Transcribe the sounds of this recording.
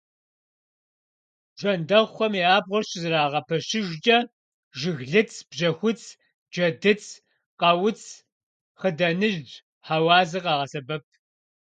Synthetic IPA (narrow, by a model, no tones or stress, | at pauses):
ʒɐndɐʁʷxʷɔmiaːbʁʷɔrɕɪzɨraːʁɐpʰɐɕɪʒʷd͡ʒʼɐ | ʒɪɣɮɨt͡sʰb̥ʑɐxʷʊt͡sʰ | d͡ʒɐdɨt͡sʰʼ | qɐwʊt͡sʰ | χədɐnɨʒd͡ʒ | ħaːwɑːzɐqɑːʁɐsɐbɐp̚ʰ